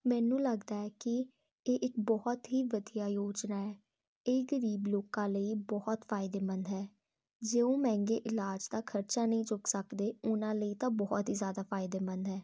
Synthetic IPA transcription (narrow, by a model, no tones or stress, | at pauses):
mɛ̃ːnũːləɡd̪aːɛːkɪ | eːʔɪkbɔːɔt̪ɦiːʋəd̪ijaːjoːd͡ʒnaːɛː | eɡəɾiːbloːkãːləiːbɔːt̪fʰaːɪd̪eːmənd̪ɦɛː | d͡ʒeːõːmɛ̃ːŋɡḛːʔɪlaːd͡ʒt̪aːkʰəɾt͡ʃaːnəĩːt͡ʃʊksəkd̪eːʊnãːləiːt̪ãːbɔːɔt̪ɦiːzjaːd̪aːfʰaːɪd̪eːmənd̪ɦɛː